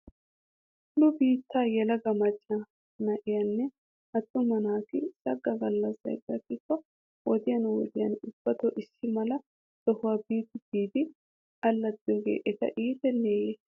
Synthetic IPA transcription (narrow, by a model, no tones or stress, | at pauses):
lʊbiːt̪ːaːjɛlɐɡɐmɐt͡ʃʼːa | nɐʔɪjɐnːɛ | ʔɐt̪ʼːʊmɐnaːk̪ɪsɐɡːɐɡɐlːɐsːɐ̰jd̪ɐkːɪkːɔ | wɔd̪ɪjɐnwɔ̰d̪ɪjɐnʊb̥ːɐt̪ɔʔɪsːɪmɐlɐ | d̪̥ɔhʊwaːbiːt̪ːɪd̪iːd̪ɪ | ʔɐlːɐd̪ɪɡḛːʔɛt̪ɐ̰ʔiːt̪ɛnːeːje